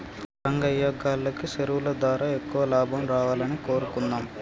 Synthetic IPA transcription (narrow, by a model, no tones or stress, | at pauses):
ɾɐŋɡɐjːɐɡaːlːɐkiʃeɾuʋulɐd̪ʋaːɾaːekːuʋɐlaːbʱɐmɾaːʋaːlɐniko̞ːɾukunːaːm